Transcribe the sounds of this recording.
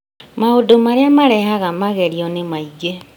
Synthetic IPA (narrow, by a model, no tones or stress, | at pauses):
maodomaɾeamaɾɛɦaɣamaɣɛɾiɔnemaiɣe